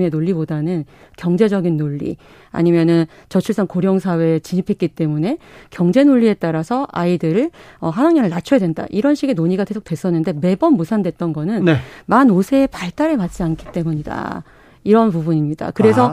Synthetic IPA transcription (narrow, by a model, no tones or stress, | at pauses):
me̞noɭːibodanɯnkjʌŋd͡ʑe̞d͡ʑʌɡinːoʎːḭ | a̰ɲimjʌnɯn | t͡ɕʌt͡ɕʰuɭs͈aŋkoɾjʌŋsʰawe̞t͡ɕiɲipʰet̚k͈it͈e̞mune̞kjʌŋd͡ʑe̞noʎːie̞t͈aɾasʰʌʔaidɯɾɯɭʌɦanaŋɲʌnɯɭnat͡ɕʰujadwe̞nda̰ʔiɾʌnɕʰiɡe̞noɲiɡatesʰok̚twe̞s͈ʌnːɯnde̞me̞bʌnmosʰandwe̞t̚t͈ʌnɡʌnɯnnmanosʰe̞ːpaɭt͈aɾemat̚t͡ɕ͈iankʰi̥t͈e̞muɲida̰ | iɾʌnpubuɲimɲida̰kɯɾe̞sʰʌ